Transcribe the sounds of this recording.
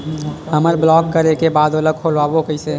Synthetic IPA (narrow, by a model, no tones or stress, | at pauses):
ɦəməɾblɔːkːəɾekebaːd̪oləɡ̚kʰoːlaːbokəɪse